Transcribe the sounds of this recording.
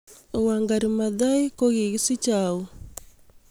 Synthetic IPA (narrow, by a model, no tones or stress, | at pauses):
owaŋɡaɾimaðajkoɣiɣisit͡ʃau